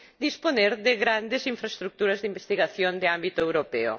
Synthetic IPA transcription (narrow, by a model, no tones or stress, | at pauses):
d̪isponeɾðɪɣɾand̪ɪsiɱfɾaest̪ɾuk̚t̪uɾɐzðimbest̪iɣaθjond̪ɪambit̪ʊewɾopeo̰